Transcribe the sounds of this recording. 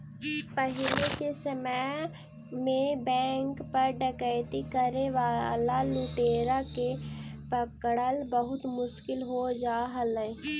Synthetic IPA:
pəɦɪlekesəmə | mẽbɛ̃ːŋkpəɾɖəkəɪt̪ikəɾeʋaːlaluʈeːɾakepəkɽəlbəɦʊt̪mʊʃkɪlɦod͡ʒaːɦələ

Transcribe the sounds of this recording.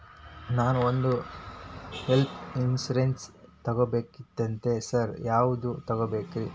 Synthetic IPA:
naːnuond̪u | help̪ʰinsuɾenst̪ɐɡobe̞ːkid̪ɐnt̪e̞sɐɾjaːʋud̪ut̪ɐɡobe̞ːkɾi

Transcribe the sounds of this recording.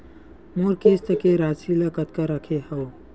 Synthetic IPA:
moɾkest̪əkeɾat͡ʃʰiləkət̪kəɾəkʰehəw

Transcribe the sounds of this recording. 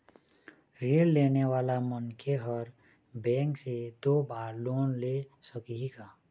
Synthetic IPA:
ɾelːeːneʋaːlamənkʰeɦɔɾ | bɛ̃ːŋksed̪oːbaːɾloːnlesəkiɦikaː

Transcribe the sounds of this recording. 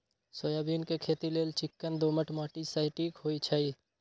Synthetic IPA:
soːjaːbʱiːnkekʰeːt̪ileːlt͡ʃɪkːənd̪oːməʈmaːʈisəɪʈiːkɦoːit͡ʃʰəi

